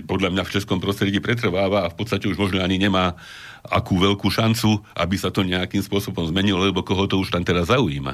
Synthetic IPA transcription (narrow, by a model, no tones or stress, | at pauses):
pɔd̪ʎamɲaft͡ʃɛskɔmpɾɔst̪ɾɛɟiːpɾɛt̪̬r̩ʋaːʋaːfpɔt̪t͡sst̪acɛuʒmɔʒnɔaɲiɲɛmaː | a̰kuːʋɛʎkuːʃant͡suʔa̰bisat̪ɔɲɛakiːmspʊɔsɔbɔmzmɛɲilɔlɛbɔkɔɦɔt̪ɔuʃt̪amt̪ɛɾazːaujḭːma̰